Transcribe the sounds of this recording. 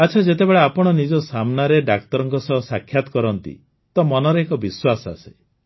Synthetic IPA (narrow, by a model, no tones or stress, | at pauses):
at͡ʃʰɔd͡ʒet̪̬ebeɭeapɔɽ̃ɔnid͡ʒɔsamnaɾeɖak̚t̪ɔɾɔŋkɔsɔɦɔsakʰːjat̪ɔ̥kɔɾɔnt̪ḭ | t̪ɔmɔnɔɾeːkɔbiswasɔa̰se̥